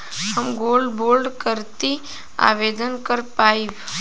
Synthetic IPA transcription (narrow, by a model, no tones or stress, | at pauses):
həmɡolɖbolɖkəɾt̪i | a̰ʋed̪ənkəɾpaiʋ